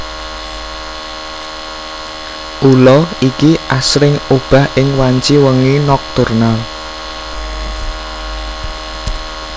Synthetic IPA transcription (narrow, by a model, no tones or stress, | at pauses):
ʔulɔikiʔasɾɪŋub̥a̤hʔɪŋwaɲt͡ʃiwəŋinɔk̚t̪urnal